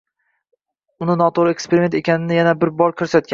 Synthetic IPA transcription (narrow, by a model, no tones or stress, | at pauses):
ʊnɪnɒt̪ʰoɾekspeɾɪme̞nt̪ʰe̞kʲanɪnɪjanabɪɾbɒɾkʲʰɵɾsat̪̚kʲa